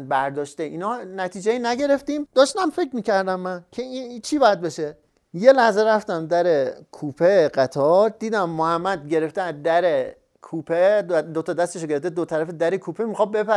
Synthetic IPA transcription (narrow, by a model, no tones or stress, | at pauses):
bæɾd̪ɒːʃt̪eʔiːnɒnæt̪ʰiːd͡ʒeinæɟe̞ɾe̞ft̪iːmd̪̥ɒːʃt̪æmfe̞kʰmiːcæɾd̪æmːæncʰeit͡ʃʰiːbɒjæd̪̚beʃe̞ | je̞læhzeɾæft̪æmd̪æɾekʰuːpʰeɢæt̪ʰɒɾd̪iːd̪æmːohæmːæd̪ɟe̞ɾe̞ft̪eæd̪æɾe | kʰuːpʰed̪d̪ot̪ʰɒd̪æst̪eʃoɟeeft̪ed̪ot̪ʰæɾæfed̪æɾekʰuːpʰemixɒːbe̞pʰæ